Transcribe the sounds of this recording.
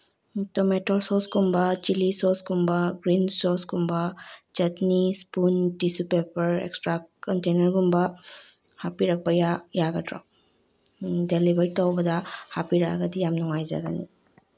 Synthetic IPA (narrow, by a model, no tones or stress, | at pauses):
tɔmetɔsɔsɡumbɐt͡ʃilisɔsɡumbaɡɾinsɔsɡumbɐt͡ʃɐtnispundisupepɐɾḛkstɾakɔntenɐɾɡumbɐ | hapiɾak̚bajajaɡɐtɾɔ̰ | delibaɾitɔwbɐdɐhapiɾaɡɐdijamnuŋajza̰ɡa̰nḭ